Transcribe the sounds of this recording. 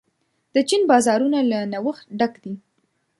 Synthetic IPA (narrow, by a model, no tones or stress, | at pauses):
d̪̥ət͡ʃinbɑzɑɾunalanawəxt̪ɖakd̪i